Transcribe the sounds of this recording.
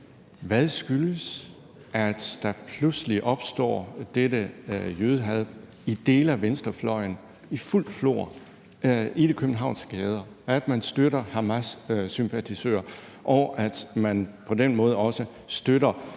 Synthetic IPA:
ʋæðˠsɡ̥yləs | ʔæd̥d̥ɑ̈pʰlusəliʔɒ̽b̥sd̥ɒ̰ːd̥edəjøːð̞ˠəɦæðˠb | id̥e̝̰ːləæʋensd̥ʁɐflɒ̽ɪn | iful̰d̥flo̝̰ɐ | ʔid̥ekʰøb̥n̩ɦɑ̈ʊnsɡ̥ɛːð̞ˠɐ | æd̥mænsd̥øɾɐhɑmæssympʰæt͡sʰisø̰ɐ | ʔɒʊʔæd̥mænpʰɒ̽d̥enmɔ̽ːð̞̩ˠəɒ̽sə | sd̥øɾɐ

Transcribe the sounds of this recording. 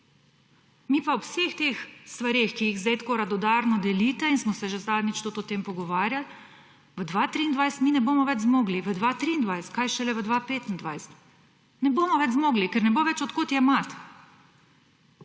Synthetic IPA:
miːpaɔsext̪exst̪ʋaɾexkijiɣzet̪koɾad̪ɔd̪aːɾnɔd̪ɛliːt̪ɛinsmɔsɛʒezad̪nʲit͡ʃt̪ut̪ɔt̪eːmpɔɡɔʋaːɾjal | ʋəd̪ʋat̪ɾiːnd̪ʋajsɛ̥t̪minɛboːmɔʋɛd͡ʒzmoːɡliʋəd̪ʋat̪ɾiːnd̪ʋajsɛ̥t̪̚kajʃɛlɛʋəd̪ʋapeːt̪n̩d̪ʋajsɛ̥t̪ | nɛbomɔʋɛd͡ʒzmoːɡlikɛɾnɛboʋɛt͡ʃɔt̪kot̪jɛmat̪

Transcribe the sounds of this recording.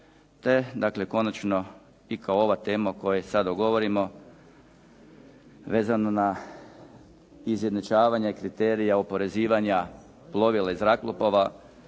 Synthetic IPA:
t̪e̞d̪akle̞ko̞nat͡ʃno̞ | ikaoo̞ʋat̪e̞ːmako̞jesad̪oɡo̞ʋo̞ɾimo̞ | ʋe̞ːzanona | izjed̪not͡ʃaːʋaɲakɾit̪eːɾijaopo̞ɾe̞ziːʋaɲa | plˠo̞ʋilˠaizɾaklˠopoʋa

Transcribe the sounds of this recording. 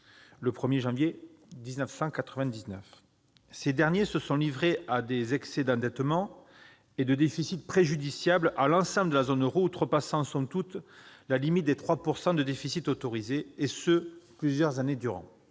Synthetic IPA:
ləpχəmjeʒɑ̃vje | d̪iznəfsɑ̃kat̪χəvɛ̃d̪iznœf | sed̪ɛʁnjesəsɔ̃livʁeʔad̪ezɛksɛd̪ɑ̃d̪ɛt̪mɑ̃ | ed̪əd̪efisit̪̚pχeʒyd̪isjablʔalɑ̃sɑ̃bləd̪əlazɔnøʁut̪ʁəpasɑ̃sɔ̃mt̪ut̪lalimit̪̚d̪et̪χwapuʁsɑ̃d̪əd̪efisit̪ot̪oʁizeːsəplyzjœʁzaned̪yʁɑ̰̃

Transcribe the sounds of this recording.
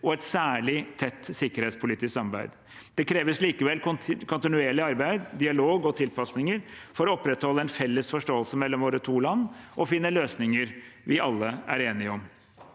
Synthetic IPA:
ɔɛt̪sæːɭɪt̪ʰɛt̪ːsɪkəɾeːt̪spʰʊliːt̪ɪskɑmbæɪd̪ | d̪̥ɛkʰɾeːʋəsliːkəʋɛlkʰʊnt̪ɪnʉeːɭɪɑɾbæɪd̪d̪ɪɑloːɡɔt̪ʰɪlpɑsnɪŋəɾfɔɾɔɔpːɾɛt̪hɔlːəɛnfɛlːəsfɔʂʈoːəlsəmɛlːɔmʋoːɾət̪ʰuːlɑnːʔɔfɪnːəløːsnɪŋəɾʋɪʔɑlːəæ̰ɾeːnɪɔm

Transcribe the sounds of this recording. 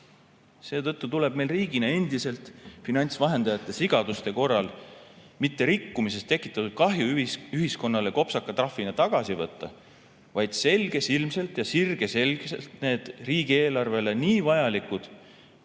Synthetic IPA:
se̞ːt̪ɤ̞t̪ˑːut̪ule̞b̥̚me̞lriːɡ̥inee̞nd̪̥ise̞lt̪finɑnʲt̪svɑɦe̞nd̪̥ɑjɑt̪ːˑe̞siɡ̥ɑd̪̥ust̪e̞ko̞rːɑl | mit̪ːe̞ɾikːumis̬e̞st̪ːe̞kːˑit̪ːˑɑt̪ːud̪̥̚kɑɦjuyɦisko̞nːɑle̞ko̞psɑkːˑɑt̪rɑfːinet̪ɑɡ̥ɑsivɤ̞t̪ːɑ | vɑjd̪̥se̞lʲɡ̥e̞silmse̞lt̪jɑsirɡ̥e̞se̞lɡselt̪ne̞ːd̪̥riːɡ̥ieːlɑrve̞le̞niːvɑjɑlikud̪̥

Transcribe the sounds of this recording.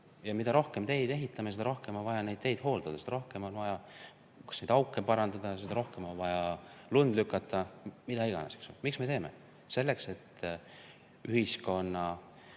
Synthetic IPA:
jɑmid̪ɑɾo̞hke̞mt̪e̞jd̪̥e̞ɦit̪ˑːɑmesed̪ɑɾo̞hkemonvɑjɑne̞jd̪̥t̪e̞jd̪̥ho̞ːld̪̥ɑd̪ɑseɑɾo̞hke̞mo̞nvɑjɑ | kɑ̥snejd̪ɑwkˑːempɑɾɑnd̪ɑd̪̥ɑjse̞d̪̥ɑɾo̞hke̞mo̞nvɑjɑlund̪lykːˑɑt̪ːˑɑmid̪̥ɑiɡ̥ɑ̰nese̥ksomiksme̞t̪e̞ːme̞̰ | se̞lːe̞kse̞t̪ː | ʔyɦisko̞nːɑ

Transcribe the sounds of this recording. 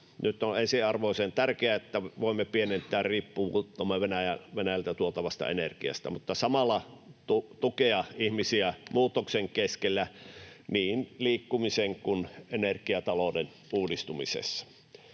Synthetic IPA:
nyt̪ːˑonensiɑrʋoˑisent̪ærkeæet̪ːæʋoˑimːepienent̪ˑæːrriːpːuut̪ːomːeʋenæjæʋenæjælt̪æt̪uot̪ɑʋɑst̪ɑ̰enerkiɑ̰st̪æ̰mut̪ːɑsɑmɑlːˑɑt̪ut̪ukeɑihmisiæmuːt̪ːokseŋkeskelːæniːnliːkːumiseŋkunenerkiɑt̪ɑloden | ʔuːdist̪umḭsḛsːɑ̥

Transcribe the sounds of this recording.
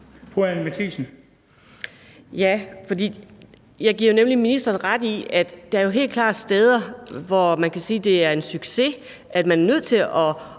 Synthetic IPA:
fʰʁuænmet͡sʰisn̩ | jæfɒ̽d̥ḭː | jɑ̈ɪɡiɐ̰jo̝nemliminisd̥ʁɐːnʁad̥iæd̥ːɑ̈æɐjo̝ɦe̝̰ːlkʰlɑ̥̈ːsd̥eːð̞ˠɐʋɒmænkʰæsiːd̥e̝æɐe̝nsyɡ̥se̝ | ʔæd̥mænæɐnøð̞̰ˠt͡sʰe̝lɒ̽

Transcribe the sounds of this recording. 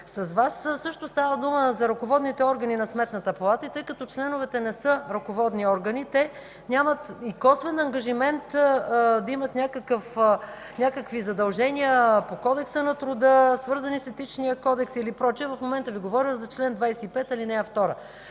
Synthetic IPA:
sɐzvassɤʃt̪ʊst̪avəd̪uməzɐɾɐkovɔd̪nit̪ɛɔɾɡɐninɐsmɛt̪nət̪əpɐlˠat̪əit̪ɤjkɐt̪ɔt͡ʃlɛnʊvɛt̪ɛnɛsɤɾɐkovɔd̪niɔɾɡɐnit̪ɛ | nʲamət̪ikɔsvɛnɐŋɡɐʒimɛnt̪d̪ɐimət̪nʲakəkəf | nʲakəkvizɐd̪ɐlˠʒɛniəpokɔd̪ɛksənɐt̪ɾʊd̪əsvɤɾzɐnisɛt̪it͡ʃnijəkɔd̪ɛksilipɾɔt͡ʃiɛvɐfmomɛnt̪əviɡovɔɾiwzɐt͡ʃlɛnd̪vajsɛipɛt̪ɐlinɛɛft̪ɔɾə

